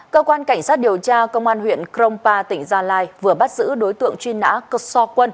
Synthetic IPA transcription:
kəː˧kwaː˧nka˧˩jŋ̟sa˦˥t̚ɗi˨˩əwt͡ɕaː˧kə˧wŋ͡mʔaː˧nɦwḭ˧˨ənkɾə˧wŋ͡mpaː˧t̪ï˧˩ŋ̟zaː˧laː˧jvɨ˨˩əɓa˦˥t̚zɨ̰˧˥ɗo˨˦jt̪ɨ̰˧˨əŋt͡ɕwi˧nːa̰ː˧˥kə˧˥sɔ˧kwə˧n

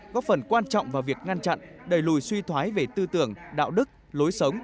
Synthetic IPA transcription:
kɔ˨˦fə˨˩nkwaː˧nt͡ɕɔ̰˧˨wŋ͡mvaː˨˩wvi˨˩ək̚ŋa˧nt͡ɕa̰˧˨nʔɗə˨˩jlu˨˩jswi˧t̪ʰwaː˨˦jve˨˩t̪ɨ˧t̪ɨ˧˩əŋɗa̰ː˧˨wɗɨ˦˥k̚ | lo˨˦jsə˨˦wŋ͡m

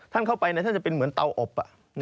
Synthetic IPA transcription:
t̪ʰa˥˩nkʰa˥˩wpa˧jna˧˩t̪ʰa˥˩t͡ɕpe˧nmɯ˩˦ənt̪a˧wʔɔ˨˩p̚ʔa˨˩ʔ | n

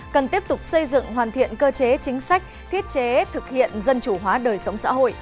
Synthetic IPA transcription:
kə˨˩nt̪i˦˥əp̚t̪ʊ˨˩k͡p̚sə˧jzɨ̰˧˨ŋɦwaː˨˩nt̪ʰḭ˧˨ənkəː˧t͡ɕe˨˦t͡ɕï˨˦ŋ̟sa˦˥jk̟̚t̪ʰi˦˥ət̚t͡ɕe˨˦t̪ʰɨ˨˩k̚hḭ˧˨ənzə˧nt͡ɕu˧˩ɦwaː˨˦ɗəː˨˩jsə˨˦wŋ͡msa̰ː˧˥ɦo̰˧˨j

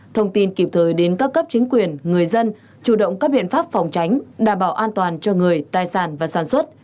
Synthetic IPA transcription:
t̪ʰə˧wŋ͡mt̪i˧nki˨˩p̚t̪ʰəː˨˩jɗe˨˦nkaː˦˥kːə˦˥p̚t͡ɕï˨˦ŋ̟kwi˨˩ənŋɨ˨˩əjzə˧n | t͡ɕu˧˩ɗə̰˧˨wŋ͡mkaː˦˥k̚ɓḭ˧˨ənfaː˦˥p̚fɔ˨˩wŋ͡mt͡ɕa˨˦jŋ̟ɗaː˧˩mɓaː˧˩wʔaː˧nt̪waː˨˩nt͡ɕɔ˧ŋɨ˨˩əjt̪aː˧jsaː˧˩nvaː˨˩saː˧˩nswə˦˥t̚

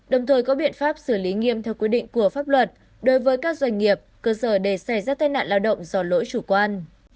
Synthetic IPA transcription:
ɗə˨˩wŋ͡mt̪ʰəː˨˩jkɔ˨˦ɓḭ˧˨ənfaː˦˥p̚sɨ˧˩li˨˦ŋḭ˧əmt̪ʰɛ˧wkwi˦˥əɗḭ˧˨ŋ̟ku˧˩əfaː˦˥p̚lwə˨˩t̚ | ɗo˨˦jvəː˨˦jkaː˦˥k̚zwa˧jŋ̟ŋi˨˩əp̚kəː˧səː˧˩ɗe˧˩sa˧˩jzaː˧˩t̪aː˧jna̰ː˧˨nlaː˧wɗə̰˧˨wŋ͡mzɔ˧lo̰˧˥jt͡ɕu˧˩kwaː˧n

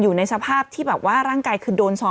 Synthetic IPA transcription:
juː˨˩na˧jsa˧pʰaː˥˩p̚t̪ʰiː˥˩bɛː˨˩p̚waː˥˩ɾaː˥˩ŋkaː˧jkʰɯː˧doː˧nsɔː˧

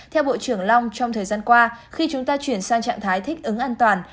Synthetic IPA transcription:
t̪ʰɛ˧wɓo̰˧˨t͡ɕɨ˧˩əŋla˧wŋ͡mt͡ɕɔ˧wŋ͡mt̪ʰəː˨˩jzaː˧nkwaː˧xi˧t͡ɕʊ˨˦ŋ͡mt̪aː˧t͡ɕwi˧˩ənsaː˧ŋt͡ɕa̰ː˧˨ŋt̪ʰaː˨˦jt̪ʰï˦˥k̚ʔɨ˨˦ŋʔaː˧nt̪waː˨˩n

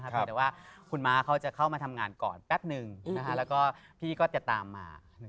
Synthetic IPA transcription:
kʰt̪ɛ˨˩waː˥˩kʰu˧nmaː˦˥kʰa˦˥wt͡ɕa˨˩kʰa˥˩wmaː˧t̪ʰa˧mŋaː˧nkɔ̰ː˨˩npɛ˦˥p̚nɯ˨˧ŋna˦˥kʰa˦˥ʔlɛː˦˥wkɔː˥˩pʰiː˥˩kɔː˥˩t̪i˨˩t̪ːaː˧mːa̰ː˧n˩

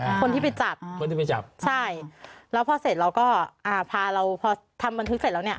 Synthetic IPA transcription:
kʰo˧nt̪ʰi˥˩pa˧jt͡ɕa˨˩p̚ʰo˧nt̪ʰiː˥˩pa˧jt͡ɕa̰˨˩p̚t͡ɕʰa˥˩jlɛː˦˥pʰɔː˧se˨˩t̪̚ɾa˧wkɔː˥˩ʔaː˧˩pʰaː˧ɾa˧wpʰɔː˧t̪ʰa˧mba˧nt̪ʰɯ˦˥kse˨˩lːni˥˩ɐ

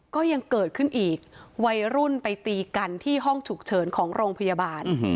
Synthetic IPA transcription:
kɔː˥˩ja˧ŋkɤː˨˩t̪̚kʰɯ˥˩nʔiː˨˩k̚wa˧jɾu˥˩npa˧jt̪iː˧ka˧nt̪ʰiː˥˩ɦɔ˥˩ŋt͡ɕʰu˨˩k̚t͡ɕʰɤː˩˦nkʰɔː˩˦ŋɾoː˧ŋpʰa˧ja˧baː˧n

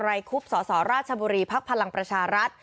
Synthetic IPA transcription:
ɾa˧jkʰu˦˥p̚sɔː˩˦sɔː˩˦ɾaː˥˩t̪̚t͡ɕʰa˧buː˧ɾiː˧pʰa˦˥k̚pʰa˧la˧ŋpɾa˧t͡ɕʰaː˧ɾa˦˥t̪̚

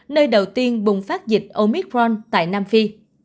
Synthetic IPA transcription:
nəː˧jɗə˨˩wt̪i˧ənɓʊ˨˩ŋ͡mfaː˦˥t̚zï˨˩k̟̚ʔo˧mi˦˥k̚ɹɔ˧nt̪a̰ː˧˨jnaː˧mfi˧

